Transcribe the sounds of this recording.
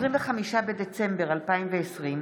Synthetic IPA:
ʁimveχamiʃabed̪et͡sembeʁalpaimveːsʁim

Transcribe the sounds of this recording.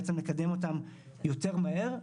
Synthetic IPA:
t͡semle̞kad̪e̞mo̞t̪̬am | jo̞te̞ʁmahe̞ʁ

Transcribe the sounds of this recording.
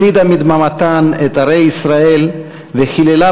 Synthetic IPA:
id̪amid̪mamat̪anet̪aʁejisʁael | veχilela

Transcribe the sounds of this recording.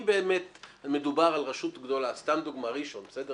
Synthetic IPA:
beːmet̪alme̞dubaʁalʁeʃut̪ɡd̪o̞last̪amd̪uɡmaʁiʃo̞nbesede

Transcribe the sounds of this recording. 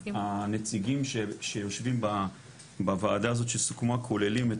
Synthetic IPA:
anet͡siɡimʃeʃejo̞ʃvimba | bavaːd̪aːzo̞t̪ʃelsu̥kumakʰolelime

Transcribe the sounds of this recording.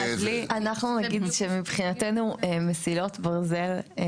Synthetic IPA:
lianaχnunaɡid̪ʃemibχinatenumesilo̞tbaʁze̞l

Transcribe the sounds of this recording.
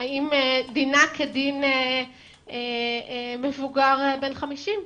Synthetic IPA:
aimedinakʰedine | e | mevuɡaʁbe̞nχamiʃim

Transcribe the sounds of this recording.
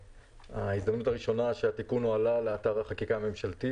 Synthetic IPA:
aizd̪amnutaʁiʃo̞naʃeat̪ikunoalale̞ataʁaχakikaːme̞mʃalt̪i

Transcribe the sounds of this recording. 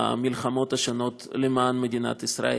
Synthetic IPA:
a̰mʲilχamo̞t̪aʃano̞t̪lemanmed̪ʲina̰t̪isɾa̰e

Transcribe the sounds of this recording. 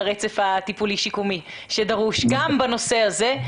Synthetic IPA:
ʁet͡sefat̪ipuliʃikumi | ʃed̪aʁuʃɡambano̞se̞haze̞

